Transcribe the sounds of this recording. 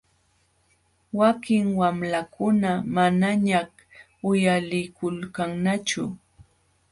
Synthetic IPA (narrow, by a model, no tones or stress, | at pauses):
wakɪŋwamlakʊnamanaɲah | ʊjalɪkʊlkaŋnat͡ʃʊ̰